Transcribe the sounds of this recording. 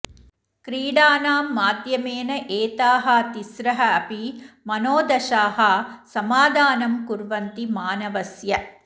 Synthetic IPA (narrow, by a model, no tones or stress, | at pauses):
kɾiːɽaːnaːmːaːd̪jɐmeːnɐʔeːt̪aːɦɐt̪isɾɐɦɐɐpimɐnoːd̪ɐʃaːɦɐsɐmaːd̪ʱaːnɐmkuɾʋɐnt̪imaːnɐʋɐsjɐ